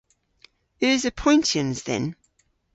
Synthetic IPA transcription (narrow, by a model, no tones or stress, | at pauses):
əzəpʰɔ̃ɪ̃ntʰiə̃nzðɛ̰̃n